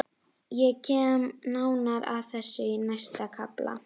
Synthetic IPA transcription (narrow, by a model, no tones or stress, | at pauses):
jɛcʰɛːmnawnaɾa̰ðθɛsːʏinast̪akʰapla̰